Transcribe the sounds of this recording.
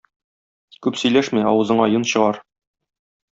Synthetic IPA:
kʉpsɵ̆jlæʃmæɒwɤ̆zɤ̆ɴɑjɤnɕɤ̆ʁɑɾ

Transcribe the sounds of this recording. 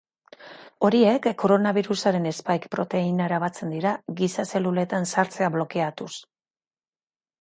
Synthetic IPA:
o̞ɾie̞kːo̞ɾo̞naβiɾusaɾe̞ne̞spajkpɾo̞t̪e̞inaeɾaβ̞at͡se̞nd̪iɾaɣisase̞lule̞t̪ansaɾt͡se̞aβlo̞ke̞at̪us

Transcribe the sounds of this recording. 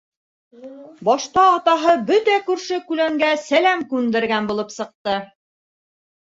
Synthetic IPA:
bɑʃt̪ɑːt̪ɑɦɤbɵt̪ækʉɾʃɘkʉlæŋɡæsælæmkʉnd̪ɘ̆ɾɡænbulˠɤpsɤ̆q̚t̪ɤ

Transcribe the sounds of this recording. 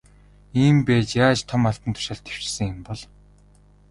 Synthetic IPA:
iːmpæːt͡ɕjaːt͡ɕt̪ʰɔmaɬt̪ə̆nt̪ʰʊ̥ʃaːɮt̪ʰew̥t͡ɕsɘ̆ŋɪmpɔɮ

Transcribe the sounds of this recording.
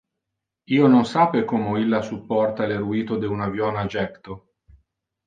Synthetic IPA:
iːononsaːpekɔːmoilːasupːɔrt̪aleɾuiːt̪od̪eunavjɔːnad͡ʒɛkt̪o

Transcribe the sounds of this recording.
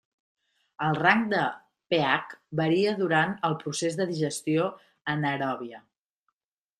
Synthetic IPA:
əlˠraŋk̚d̪ə | peakbəɾiəðuɾanəlˠpɾusezðəðiʒəst̪io | ənəɾɔβiə

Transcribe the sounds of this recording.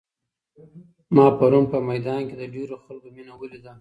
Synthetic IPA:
mɑpaɾunpəmajd̪ɑnked̪əɖeɾoxalkominawəlid̪a

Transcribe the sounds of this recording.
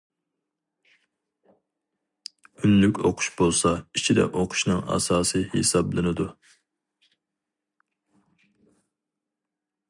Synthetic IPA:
ynlykʲoqʰʊ̥ʃbolˠsɑit͡ʃʰid̪ɛ̰ʔoqʰʊ̥ʃnɨŋɑ̰sɑːsɨhḛsɑblˠɨnɨd̪u

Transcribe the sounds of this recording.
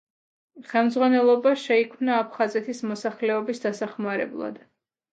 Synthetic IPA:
χɛlˠmd̪zʁwanɛlˠɔbaʃɛikʰmnaːpʰχazɛt̪ʰismɔsaχlɛɔbisd̪asaχmaɾɛ̰blˠa̰d̪̥

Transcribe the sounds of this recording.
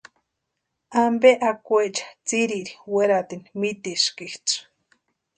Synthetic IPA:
ambeʔakʷet͡ʃḁt͡siɾiɾiweɾat̪inmit̪iʃkiht͡s

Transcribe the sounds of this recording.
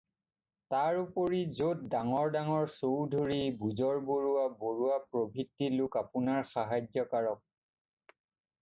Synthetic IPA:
taɹupoɹizot̚daŋɔɹdaŋɔɹsowdʱoɹibuzɔɹboɹuaboɹuapɹobʱitːilʊkapʊnaɹxaɦazjɔkaɹɔk̚

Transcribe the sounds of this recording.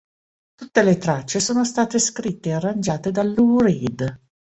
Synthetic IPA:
t̪ut̪ːelet̪ɾat͡ʃːesoːnost̪aːt̪eskɾit̪ːeːarːand͡ʒaːt̪ed̪alːuɾid̪

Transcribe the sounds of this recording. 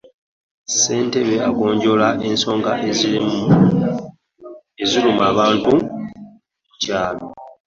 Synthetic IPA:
se̞ːnte̞βeako̞ːɲɟo̞laʔe̞nso̞ːŋɡa̰ʔ | eziɾumaːβaːntu | mucaːlo

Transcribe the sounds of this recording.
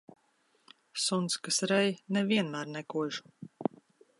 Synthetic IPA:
sunt̪skasɾɛjnɛvʲiɛnmæːɾnɛkuɔʒu̥

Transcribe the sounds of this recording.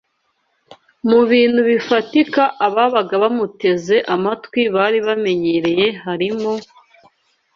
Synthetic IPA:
muβiːn̥huβifatikaʔaβaβaɡaβamute̞ze̞ʔamatwiβaːɾiβame̞ɲeɾe̞je̞haɾimo

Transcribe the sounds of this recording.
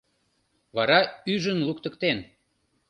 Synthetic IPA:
βɑɾɑyʒənlukt̪ə̆kt̪en

